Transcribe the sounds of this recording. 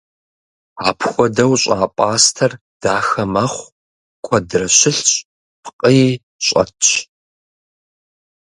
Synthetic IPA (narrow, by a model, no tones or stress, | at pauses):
aːpʰxʷɔdɐwɕʼaːpʷʼaːstʰɐr | d̥aːxɐmɐχʷ | kʷʰɔdrɐɕɪɬɕʼ | pʰqʼəj | ɕʼɐ̰tt͡ʃ